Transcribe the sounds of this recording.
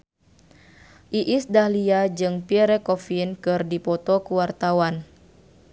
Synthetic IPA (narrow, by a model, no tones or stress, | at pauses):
ʔiʔisdahliad͡ʒɨŋpiɛɾɛkɔfinkɨrdipɔt̪ɔkuwart̪awan